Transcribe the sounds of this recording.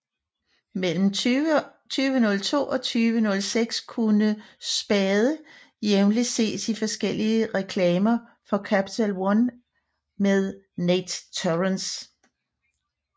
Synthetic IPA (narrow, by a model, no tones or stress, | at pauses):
mel̰m̩ | t͡sʰyːʋənɔ̽lt͡sʰo̝̰ːɒ̽t͡sʰyːʋənɔ̽lseɡ̥skʰunəsb̥ɛːðˠə | jeʊnlise̝̰ːsifɒ̽sɡ̥el̰iəʁɛkʰlɛːmɐ | fɒ̽kʰæpi̥t͡sʰælwɒn | með̞ˠ | ned̥t͡sʰoʁəns